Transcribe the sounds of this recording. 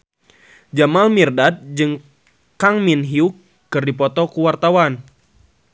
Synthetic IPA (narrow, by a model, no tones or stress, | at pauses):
d͡ʒamalmirdat̪̚d͡ʒɨŋ | kaŋminɦiukː | ɨrdipɔt̪ɔkuwart̪awan